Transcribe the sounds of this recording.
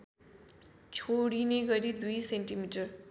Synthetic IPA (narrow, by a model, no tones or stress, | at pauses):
t͡sʰoɽineɡʌɾid̪ujsenʈimiʈʌr